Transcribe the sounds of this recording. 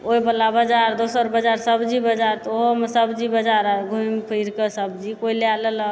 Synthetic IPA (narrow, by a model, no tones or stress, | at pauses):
oibəlːabəd͡ʒaɾd̪osəɾbəd͡ʒaɾsəbd͡ʒibəd͡ʒaɾt̪oɦomesəbd͡ʒibəd͡ʒaɾaɡʱuimpʰiɾkesəbd͡ʒikoilealələ